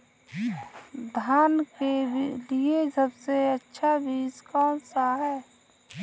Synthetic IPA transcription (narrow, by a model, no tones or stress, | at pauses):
d̪ʱaːnkelied͡ʒəbseətːʃʰabiːskɔːnsaɦɛː